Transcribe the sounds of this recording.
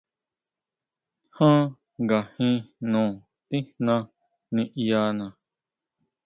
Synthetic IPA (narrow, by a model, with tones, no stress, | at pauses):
hã˦ | ɡa˨hĩ˦˧nũː˨ | t̪i̥˦nã˧ | nĩ˧ʔja˧nã˨